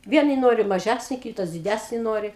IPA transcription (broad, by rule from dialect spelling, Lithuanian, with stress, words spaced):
ˈʋʲiɛnɐɪ ˈnoːrʲɪ mɐˈʒʲæsʲnʲɪ ˈkʲiːtɐs dʲɪˈdʲæsʲnʲɪ ˈnoːrʲɪ